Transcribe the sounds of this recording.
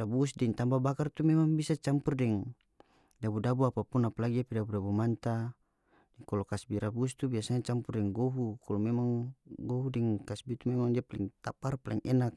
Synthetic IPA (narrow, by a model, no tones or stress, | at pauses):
abusdɛŋt̪ambabakart̪umɛmaŋbisat͡ʃampurdɛŋ | dabudabuapapunapalaɡiapidabudabumant̪a | dɛŋkɔlɔkasbiɾʔabust̪ubiasanat͡ʃampurdɛŋɡoɦukalɔmɛmaŋɡoɦudɛŋkasbit̪umɛmaŋdiapalɛŋt̪aparpalɛ̰ŋɛnak̚